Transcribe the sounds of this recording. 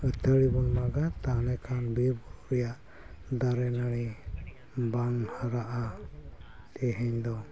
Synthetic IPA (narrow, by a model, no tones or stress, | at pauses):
ət̪ʰəɽibɔnmaɡat̪anɛkʰanbɛbuɾuɾɛjaʔ | d̪aɾɛnəɽi | baŋhəɾaʔa | t̪ɛɦɛɲd̪ɔ